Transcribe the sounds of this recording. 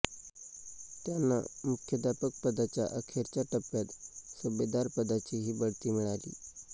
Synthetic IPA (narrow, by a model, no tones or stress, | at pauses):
t̪janːa̰mukʰjəd̪apək̚pəd̪at͡ɕja̰ʔəkʰeɾt͡ɕat̪əpjat̪subed̪aɾpəd̪at͡ɕiɦiːbəɽt̪iːmiɭalḭː